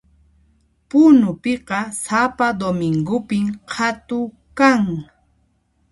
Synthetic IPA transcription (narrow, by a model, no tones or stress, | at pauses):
pʊnʊpɪqɑsapad̪omɪŋɡʊpɪmhʰat̪ʊ | kaŋ